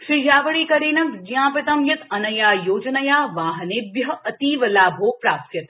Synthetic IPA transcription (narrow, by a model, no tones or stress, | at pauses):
ʂijaːʋəɭiːkɐɾeːnɐ̃nd͡ʒjãːpɾɐt̪ɐmjɐt̪ɐnɐjaːjoːd͡ʒnɐjaːʋaːɦɐnebjɐɐt̪iːʋɐlaːbʱoːpɾaːsjɐt̪